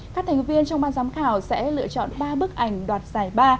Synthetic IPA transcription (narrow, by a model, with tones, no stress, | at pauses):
kaː˦˥k̚t̪ʰa˨˩ŋ̟vi˧ənt͡ɕɔ˧wŋ͡mɓaː˧nzaː˨˦mxaː˧˩wsɛ̰˧˥lɨ̰˧˨ət͡ɕɔ̰˧˨nɓaː˧ɓɨ˦˥ək̚ʔa˧˩jŋ̟ɗwaː˨˩t̚z̥aː˨˧˩jɓaː˧